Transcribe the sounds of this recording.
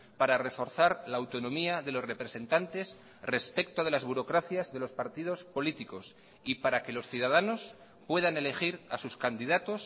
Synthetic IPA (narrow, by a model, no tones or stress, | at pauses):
paɾare̞fo̞ɾθaɾlaːwt̪o̞nõ̞miaðe̞lo̞sre̞pɾe̞se̞nt̪ant̪e̞s | re̞spe̞k̚t̪o̞ðe̞lazβuɾo̞kɾaθjazðe̞lo̞spaɾt̪ið̞o̞spo̞lit̪iko̞s | ipaɾake̞lo̞sθjuðaðanos | pwe̞ðane̞le̞xiɾasuskand̪iðat̪o̞s